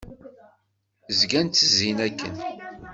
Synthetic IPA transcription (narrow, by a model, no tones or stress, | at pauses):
zɡænt̪ːəzinækːə̰n